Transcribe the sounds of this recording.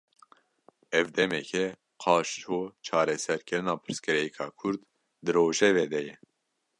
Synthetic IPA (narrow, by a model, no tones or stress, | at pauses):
ɛvd̪ɛmɛkʰɛ | qʰɑːʃt͡ʃʰoːt͡ʃʰɑːɾɛsɛɾkʰɨɾɨnɑːpʰɨɾskɨɾɛjɛkʰɑːkʰʊɾd̪ | d̪ɨɾoːʒɛvɛd̪ɛjɛ